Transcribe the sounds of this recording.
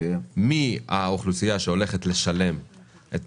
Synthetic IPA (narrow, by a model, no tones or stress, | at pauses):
mia̰oχlusijaʃeo̞le̞χe̞t̪le̞ʃale̞m | ʔet̪